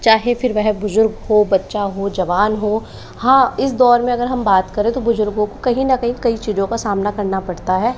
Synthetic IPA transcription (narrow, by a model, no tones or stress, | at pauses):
t͡ʃaːɦefɪɾʋɛɦbʊzʊɾɡɦoːbɐtːʃaɦod͡ʒɐʋaːnɦoː | hãːɪsd̪ɔːɾmẽɐɡəɾɦɐmbaːt̪kɐɾẽt̪obʊzʊɾɡõkokɐɦĩnɐkɐɦĩkɐit͡ʃiːzõkasaːmnakɐɾnapɐɽt̪aɦɛː